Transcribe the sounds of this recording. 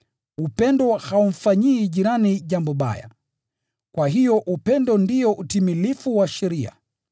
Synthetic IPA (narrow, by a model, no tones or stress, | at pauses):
upɛndɔhaum̩faɲiːʄiɾaniʄambɔɓa̰ja̰ | kwaɦijɔʔupɛndɔndiɔʔutimilifuwaʃɛɾia̰